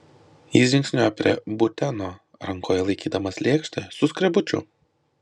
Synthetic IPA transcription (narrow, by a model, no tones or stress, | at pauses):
jiːsʒʲɪŋkʲsʲnʲoɛpʲɾʲḭɛbʊt̪ʲɛnoː | ɾɐŋkʰoːjɛlˠɐɪkʲiːd̪ɐmɐslʲeːkʃʲt̪ʲɐsʊskɾʲɛbʊt͡ʃʲʊ̰